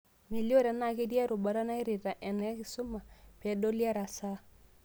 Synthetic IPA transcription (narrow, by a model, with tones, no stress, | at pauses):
mi˨ljo˦ɾɛ˨na˨kɪ˦dja˦ɾo˨ba˨ɾa˦na˦i˦ɾɪ˨ta˨ʔɛ˨nɛ˨˦kɪ˨sʊ˦ma˨pɛ˨do˦lja˦ɾa˨sa˦